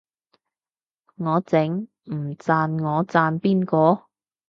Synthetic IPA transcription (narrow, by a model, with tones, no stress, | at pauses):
ŋɔː˨˧t͡sɪ˨˥ŋ | m̩˨˩t͡saː˧nŋɔː˨˧t͡saː˧npiː˥nkɔː˧